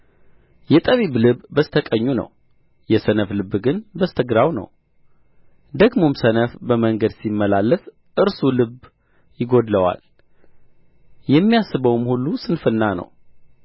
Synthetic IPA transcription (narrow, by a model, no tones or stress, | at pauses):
jɛt̪ʼəβiblɨbbəst̪ʰəkʼəɲːunə̰w | jɛsənəflɨbːɡɨnbəst̪ʰəɡɾawnə̰w | d̪əɡmo̞msənəfbəməŋɡəd̪simːəlalːəs | ʔɨɾsulɨb | jɪɡo̞d̪ləwa̰l | jɛmːijasːɨβəwmhulːusɨnfɨnːanə̰w